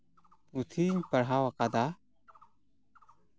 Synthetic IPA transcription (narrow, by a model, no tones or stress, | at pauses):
put̪ʰiɲpɐɽɦawakad̪a